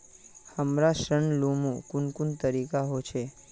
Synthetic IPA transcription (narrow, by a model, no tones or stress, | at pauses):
həmɾaʃəɳlumũkunkunt̪əɾikaɦot͡ʃʰe